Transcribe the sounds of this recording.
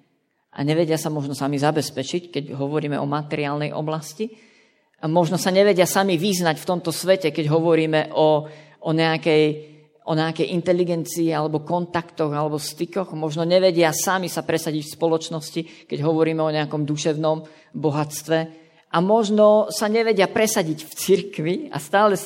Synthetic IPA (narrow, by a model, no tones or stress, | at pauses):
ʔa̰ɲɛʋɛɟɪasamɔʒnɔsamizabɛspɛt͡ʃickɛɟɦɔʋɔɾiːmɛɔmat̪ɛɾiaːlnɛjʔɔ̰blasci | amɔʒnɔsaɲɛʋɛɟɪasamiʋiznacft̪ɔmt̪ɔsʋɛcɛkɛɟɦɔʋɔɾiːmɛʔɔ | ɔɲɛakɛj | ʔɔɲɛakɛjʔint̪ɛliɡɛnt͡siːalɛbɔkɔnt̪akt̪ɔɣalɛbɔst̪ikɔɣmɔʒnɔɲɛʋɛɟɪasamisapɾɛsaɟicfspɔlɔt͡ʃnɔscikɛɟɦɔʋɔɾiːmɛɔɲɛakɔmd̪uʃɛʊnɔm | bɔɦat͡st̪ʋɛ | ʔamɔʒnɔsaɲɛʋɛɟɪapɾɛsaɟicft͡siɾkʋia̰st̪aːlɛ